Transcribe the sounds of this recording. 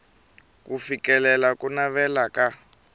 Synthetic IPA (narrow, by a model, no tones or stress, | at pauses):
kufikɛlɛlakʼunaβɛlaka